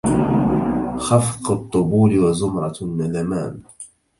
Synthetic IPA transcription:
xɑfqʊt̪ˤːʊbuːlɪwazʊmɾˤɑmalamaːn

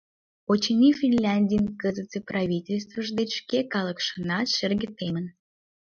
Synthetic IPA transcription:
ot͡ɕenʲifʲinlʲanʲdʲijənkəzət̪t͡seprɑvʲitʲelʲst̪vəʒd̪et͡ɕʃkekɑləkʃənɑt̪ʃerɣət̪emən

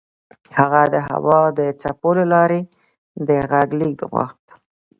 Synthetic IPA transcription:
haɣad̪əɦa̰wɑd̪ət͡sapolalɑɾe | d̪əɣaɡlik̚d̪əɣwa̰xt̪

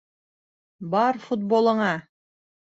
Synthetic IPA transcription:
bɑɾfut̪̚bolˠɤ̆ɴɑ

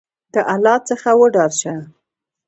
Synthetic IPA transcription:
d̪̥əʔalɑt͡səxawəɖɑɾʃa

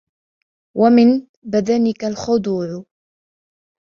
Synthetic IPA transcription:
wʔamɪn | bad̪anɪkalxʊd̪ˤuːʕʊ

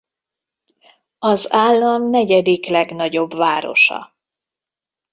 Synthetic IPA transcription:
ɒzaːlːɒmnɛɟɛd̪iklɛɡnɒɟo̞bvaːɾo̞̰ʃɒ̰

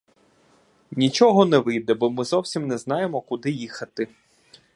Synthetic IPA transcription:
nʲit͡ʃɔɦɔnɛʋɪjd̪ɛbɔmɪzɔwsʲimnɛzn̪ɑjemɔkʊd̪ɪjixɐt̪ɪ

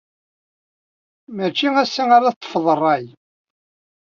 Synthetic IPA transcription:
mæt͡ʃːiæsːiaɾat̪ˤːə̥fðˤərˤːɑj

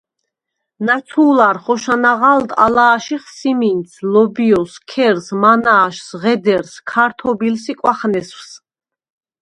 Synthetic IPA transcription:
nat̪sʰuːlaɾχɔʃanaʁald̪a̰laːʃiχsiminsʰlɔbiɔskʰɛɾsmanaːʃsʁɛd̪ɛɾskʰaɾt̪ʰɔbilsikʼwaχnɛsws

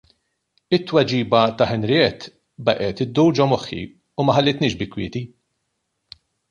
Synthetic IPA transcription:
ɪt̪ːwɐd͡ʒiːbɐt̪ɐħɛnɾɪɛt̪ | bɐʔɛt̪ɪd̪ːuwd͡ʒɔmɔħːḭ | umɐħɐlːɪt̪nɪːʃbɪkːwɪ̰ːt̪i

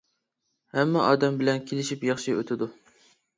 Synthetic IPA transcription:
hɛmːɛʔɑːd̪ɛmbɪlɛnkʲʰelɪʃipjɑχʃiø̰t̪ʰɪd̪u

